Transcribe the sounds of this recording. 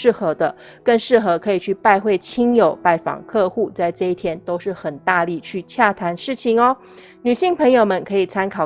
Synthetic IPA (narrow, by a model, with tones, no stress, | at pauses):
ɻ̩˥˩xɤ˧˥d̪ə˧ | kə˥˧ŋʂɻ̩˥˩xɤ˧˥kʰɤ˧˥i˨˩t͡ɕʰy˥˧pa˥˧ɪxwe˥˩ɪt͡ɕʰi˥ŋjo˨˩ʊpa˥˩ɪfɑ̰˨˩ŋkʰɤ˥˧xu˥˩t͡sa˥˧ɪʈ͡ʂɤ˥˧i˥˩t̪ʰjɛ˥nt̪o˥ʊʂɻ̩˥˩xə˨˩nt̪a˥˧li˥˩t͡ɕʰy˥˧t͡ɕʰja˥˩t̪ʰa˧˥nʂɻ̩˥˩t͡ɕʰi˨ŋɔ˧˦ | ny˨˩ɕi˥˩ŋpʰɤ˧˥ŋjo˥˨˩ʊmə˨˦nkʰɤ˧˥i˨˩t͡sʰa˥nkʰɑ˨˩ʊ